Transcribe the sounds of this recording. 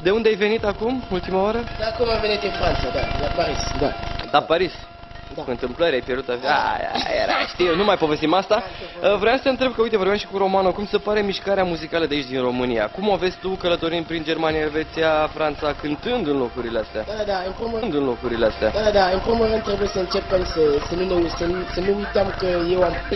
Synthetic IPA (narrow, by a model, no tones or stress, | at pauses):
d̪e̞und̪eajve̞nit̪akumult̪imaoɾəd̪akumvəvenit̪ʲinfɾant̪sad̪alapaɾisd̪ad̪apaɾis | uɨnt̪ɨmpləɾʲajpʲjerd̪ut̪aa̰a̰jḛɾa̰ʃt̪ijenumajpo̞ve̞st̪imast̪aəvɾojamsəɨnt̪ɾe̞b̚kəujt̪e̞vo̞ɾbʲamʃi̥kuɾo̞manokumsepaɾe̞miʃkaɾeamuzikaləd̪eit͡ʃʲd̪inro̞mɨnija̰kumavesʲt̪ukələt̪o̞ɾinʲpɾind͡ʒermanijaelve̞t̪sijafɾant̪sakɨnt̪ɨnd̪ɨnlokɾuɾile̞ast̪ea̰d̪ad̪ad̪aɨnpond̪ɨnlokɾuɾile̞ast̪ea̰d̪aad̪aɨnpɾomoɾent̪ːɾe̞bujesəɨnt͡ʃepemsəsənunesənsənuujt̪eamkəje̞wam